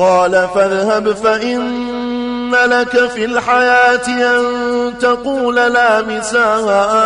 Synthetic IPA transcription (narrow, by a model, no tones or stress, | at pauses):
qɑːlafaðhabfaʔɪnː | alakafiːlħajaːt̪ɪʔant̪aquːlalaːmɪsaːɣaʔ